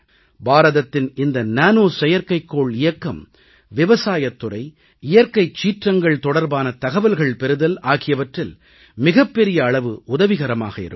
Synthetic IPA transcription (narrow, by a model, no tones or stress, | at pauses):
baːɾɐðɐt̪ːɪnɪnd̪ɐnaːnoːsɛjɐɾkɐɪkːoːɭɪjɐkːɐm | ʋɪʋɐsaːjɐt̪ːʊrɐɪ | ɪjɐɾkɐɪt͡ʃːiːʈrɐŋɡɐɭt̪ɔɽɐɾbaːnɐt̪ɐɣɐʋɐlɣɐɭpɛɾɯðɐlaːɣɪjɐʋɐʈrɪl | mɪɣɐpːɛɾɪjɐːɭɐʋɯʊðɐʋɪɣɐɾɐma̰ːɣɐɪ̰ɾɯ̰